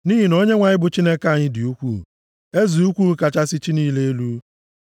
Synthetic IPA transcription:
niː˦ɦi˨no˦ɲe˦ŋʷa˨ɲɪ˦bʊ˨t͡ʃi˦ne˦ka˦a˨ɲɪ˦dɪ˨u˦kʷṵ˦˨ | e˦zi˨u˦kʷu˦ka˨t͡ʃa˦sɪ˦t͡ʃi˦niː˦le˦e˦lu˦

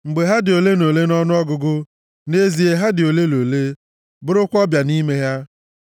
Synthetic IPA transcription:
ŋ͡m̩˨ɡ͡be˨ɦa˦dɪ˨o˨le˦no˨le˦nɔ˦nʊ˦ɔ˦ɡʊ˨ɡʊ˦ | ne˦zi˨e˦ɦa˦dɪ˨o˨le˦lo˨le˦ | bʊ˦ɾʊ˦kʷɔ˦bja˨ni˦me˦ɦja˦

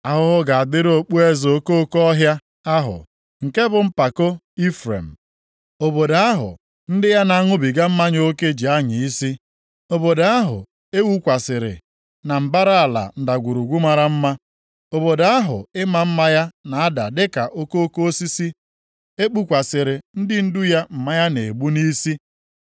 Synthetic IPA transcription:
a˨ɦʊ˦ɦʊ˦ɡa˨a˨dɪ˦ɾo˨k͡pu˦e˦zo˦ko˦kɔ˦ɦja˦ | a˦ɦʊ̰˨ | ŋ̩˨ke˦bʊ˨m̩˦pa˨ko˦ | i˦fɾḛ˨m̩˨ | o˨bo˨da˨˦a˦ɦʊ̰˨ | n̩˦dɪ˦ja˦na˨a˦˨ŋʊ˦bi˨ɡa˦m̩˦ma˦ɲ˦o˦ke˦d͡ʒi˨a˦ɲɪ˨i˦si˦ | o˨bo˨da˨a˦ɦʊ̰˨ | e˦wu˦kʷa˨sɪ˨ɾɪ̰˨ | na˨m̩˨ba˦ɾa˦a˨la̰˨n̩˨da˨ɡʷu˨ɾu˨ɡʷu˦ma˨ɾa˦m̩˦ma˦ | o˨bo˨da˦a˦ɦʊ̰˨ɪ˦ma˨m̩˦ma˦ja˦na˨a˦da˨dɪ˦ka˨ʔo˦ko˦o˦ko˦o˦si˦si˦ | e˦k͡pu˦kʷa˨sɪ˨ɾɪ˨n̩˦dɪ˦n̩˦dʊ˦ja˦m̩˨ma˦ja˦ne˨ɡ͡bu˦ni˦si˦

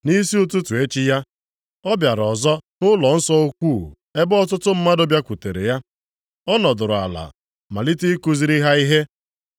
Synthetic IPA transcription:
ni˦si˦o˦tʊ˦tu˨e˦t͡ʃi˦ja˦ | ɔ˦bja˨ɾɔ˨zɔ˦nʊ˦lɔ˨n̩˦sɔ˦o˦kʷu˦˨ | e˦bɔ˦tʊ˦tʊ˦m̩˦ma˦do˦bja˦kʷu˨te˨ɾḛ˨ja˦ | ɔ˦nɔ˨dʊ˨ɾʊ˨a̰˨la̰˨ | ma˨li˦ti˦ku˦zi˨˦ɾi˦ɦa˦i˦ɦe˦

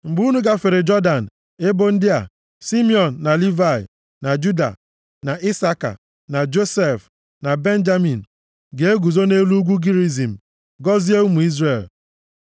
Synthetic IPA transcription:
ŋ͡m̩˨ɡ͡bu˦nu˦ɡa˦fe˨ɾe˨d͡ʒɔ˦da˨n̩˨ | e˦bo˦n̩˦dɪ˦a̰˨ | si˦mi˦ɔ˨n̩ː˨a˨li˦va˨ḭ˨ | na˨d͡ʒu˦da̰˨ | na˨i˦sa˦ka̰˨ | na˨d͡ʒo˦se˨f | na˨be˦n̩˦d͡ʒa˦mi˨n̩˨ | ɡe˨e˦ɡu˨zo˦ne˦lu˦ɡʷu˦ɡi˦ɾi˦zi˨m̩˨ | ɡɔ˦zi˦e˦u˦mu˨i˦zre˨l

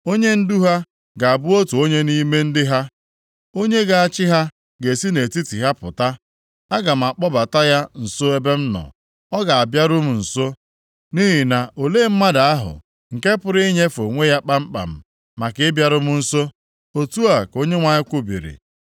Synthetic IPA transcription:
o˦ɲe˦n̩˦du˦ɦa˦ | ɡa˨a˨bʊ˦o˦tu˨o˦ɲe˦ni˦me˦n̩˦dɪ˦ɦa˦ | o˦ɲe˦ɡa˨a˨t͡ʃɪ˦ɦa˦ | ɡe˨si˦ne˨ti˦ti˨ɦa˦pʊ̰˨ta˦ | a˦ɡa˨m̩˨a˨k͡pɔ˦ba˨ta˦ja˦n̩˨so˦e˦be˦m̩˦nɔ̰˨ | ɔ˦ɡa˨a˨bja˦ɾʊ˦m̩˨n̩˨so˦ | ni˦ɦi˨na˨ʔo˨leː˦m̩˦ma˦da˨a˦ɦʊ̰˨ | ŋ̩˨ke˦pʊ˦ɾɪ˦ɲe˦fo˨ŋʷe˦ja˦k͡pa˦m̩˦k͡pa̰˨m̩˦˨ | ma˨kɪ˦bja˦ɾʊ˦mʊ˦n̩˦so˦ | o˨tu˦a˨ko˦ɲe˦ŋʷa˨ɲɪ˦kʷʊ˦bḭ˨ɾḭ˨

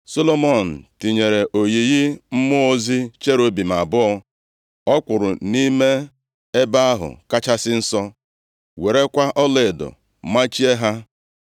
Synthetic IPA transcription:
so˦lo˦mɔ˦˨n̩˨ti˨ɲe˨ɾe˨ʔo˨ji˨ɣɪ˦m̩˦mʊ˦o˦zi˦t͡ʃe˦ɾo˦bi˨m̩˨a˨bʊ˦ɔ˦ | ɔ˦kʷʊ˨ɾʊ̰˨ni˦me˦ | e˦ba˦a˦ɦʊ̰˨ka˦t͡ʃa˦sɪ˦n̩˦sɔ˦ | we˨ɾe˦kʷa˦ʔɔ˦le˨dɔ̰˨ | ma˦t͡ʃi˦e˦ɦa˦

